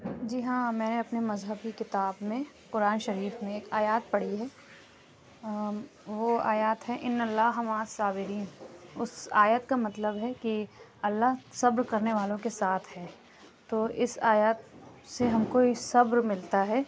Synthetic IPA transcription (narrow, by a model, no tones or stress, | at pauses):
d͡ʒiɦãmɛ̃ːneɐpnemɐzɦəbikɪt̪aːbmẽ | kʊɾaːnʃɐɾiːfmẽeːkaːjaːt̪̚pɐɽ̤iɦɛː | ʋoaːjaːt̪ɦɛʔɪnːɐlːaːɦɦɐmaːsaːbɪɾiːnʊsa̰ːjət̪kamɐt̪ləbɦɛkiɐlːaɦsɐbɾkɐɾneʋaːlõkesaːt̪ʰɦɛː | t̪oːʔɪsaːjaːt̪ | seɦɐmkoisɐbɾmɪlt̪aɦɛː